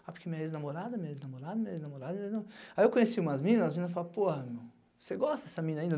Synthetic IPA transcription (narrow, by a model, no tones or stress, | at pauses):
apʊɾkeɐmĩɲɐeznamoɾad̪ɐmĩɲɐeznamoɾad̪ɐmĩɲɐeznamoɾad̪ɐĩd̪nɐ̃w̃aiewkõesiũmɐzmĩnɐzɐzmĩnɐsfalapohɐmew | oseɡɔst̪ɐd̪ɛsɐmĩnɐaĩd̪ɐ